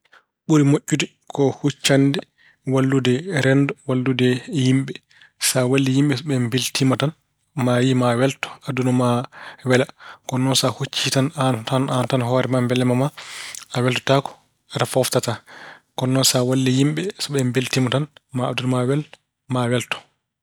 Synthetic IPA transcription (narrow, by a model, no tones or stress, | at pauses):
ɓuɾimoʔʲːudɛ | kʰɔhut͡ʃːandɛ | walːudɛɾɛndɔwalːudɛjimɓɛ | sawalːijimɓɛsɔɓɛmbiltimatan | majimawɛltɔ̥adunɔmawɛlakɔnːɔsahut͡ʃːitanantanantanhɔɾɛmambɛlːɛmamaawɛltɔ̥takɔ̥ | atafɔftatakɔnːɔsawalːijimɓɛsɔɓɛmbiltimatanmaːdunmawɛl | mawɛltɔ̥